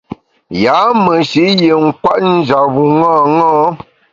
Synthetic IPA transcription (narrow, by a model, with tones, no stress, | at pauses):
ja˨˦mə˨ʃi˨˦je˨ŋ̩˦kwa˦ʔn̩˦d͡ʒa˨βu˨ŋɔ˦˨ŋɔ˦